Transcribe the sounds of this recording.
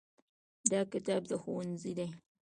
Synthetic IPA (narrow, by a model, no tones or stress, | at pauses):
dakitab̚dɐxuwnzida